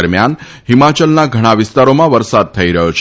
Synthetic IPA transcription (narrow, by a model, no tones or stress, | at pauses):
əɾmjan | ɦimat͡ʃəlnaɡʱəɽ̃aʋɪst̪aɾomãʋəɾsad̪̚t̪ʰəiɾəɦjot͡ʃʰ